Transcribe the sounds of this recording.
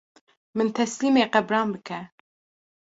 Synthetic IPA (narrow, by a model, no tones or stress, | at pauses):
mɨnt̪ʰɛsliːmeːqæbɾɑːnbɨkʰɛ